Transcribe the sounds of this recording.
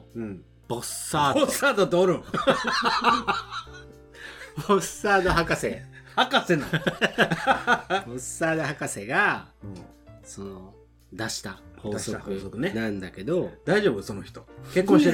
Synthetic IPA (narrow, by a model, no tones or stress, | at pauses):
ɯ̟̃ɴ | b̥osaːosːaːd̪ot̪ooɾɯ̃ | bosːaːd̪o̞ɦakasehakasenã | bosːaːd̪o̞hakase̞ɡã | so̞no | d̪aɕi̥t̪aho̞sokɯsokɯnenãnd̪ake̞d̪o̞d̪aiʑo̞ːbɯsonoçi̥t̪okekːõɕ